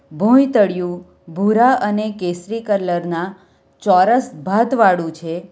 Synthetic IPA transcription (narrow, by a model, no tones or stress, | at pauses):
bʱũjt̪əɽjũ | bʱuɾaʔənekesɾikəɾləɾna | t͡ʃɔɾəsbʱat̪ʋaɽũt͡ʃʰe